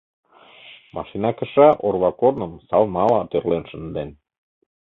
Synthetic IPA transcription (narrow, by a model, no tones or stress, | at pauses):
mɑ̰ʃinɑkə̆ʃɑʔorβɑkornə̆msɑlnɑlɑt̪ørlenʃə̆nd̪en